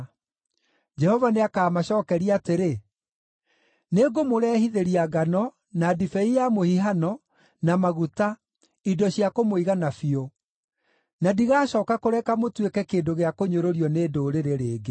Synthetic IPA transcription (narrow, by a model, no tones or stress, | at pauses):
d͡ʒɛhɔvaneakaːmaɕɔːkɛɾiateɾe | neɡomoɾɛhiðeɾiaɡanɔ | nadifɛijamohiɦanɔ | namaɣuta | idɔɕiakomoiɣanafio | nadiɣaːɕɔːkakoɾɛkamotwekɛkeːndoɣeakoɲoɾoɾiɔneːdoːɾeɾeɾeːɡe